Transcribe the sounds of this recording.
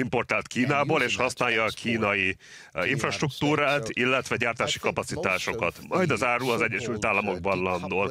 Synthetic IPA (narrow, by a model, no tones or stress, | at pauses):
impo̞rt̪aːlt̪kiːnaːboːleːʃhɒsnaːjɒːkʰiːnɒji | iɱfrɒʃt̪rukt̪uːɾaːt̪ilːɛt̪ʋɛɟaːrt̪aːʃi̥kɒpɒt̪sit̪aːʃo̞kɒt̪mɒjd̪ɒzaːɾuɒzɛɟːɛʃylt̪aːlːɒmo̞ɡ̚bɒnlɒnd̪oːl